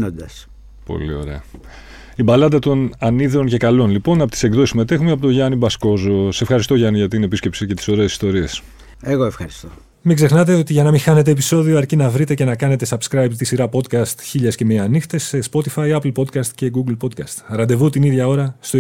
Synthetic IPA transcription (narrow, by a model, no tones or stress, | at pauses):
nond̪ɐs | po̰lio̞̰ɾe̞ɐ | ibɐlɐd̪ɐt̪o̞nɐniðeonce̞kɐlo̞nlipo̞nɐpot̪iseɡðo̞sisime̞t̪e̞xumeɐpot̪oʝɐnibɐsko̞zosesefxɐɾist̪o̞ʝɐniʝɐt̪inepiscepsice̞t̪i̥so̞ɾe̞esist̪o̞ɾies | eɣoefxɐɾist̪o | miɡze̞xnɐt̪e̞o̞t̪iʝɐnɐmixɐne̞t̪e̞ːpiso̞ðioɐɾcinɐvɾit̪e̞ce̞nɐkɐne̞t̪esɐpskɾɐjpt̪isiɾɐpo̞d̪kɐst̪çiʎɐsce̞meɐnixt̪esespo̞t̪ifɐiɐplpo̞d̪kɐst̪ce̞ɡuɡlpo̞d̪̚kɐst̪ɾɐnd̪e̞vut̪iniðʝɐo̞ɾɐst̪o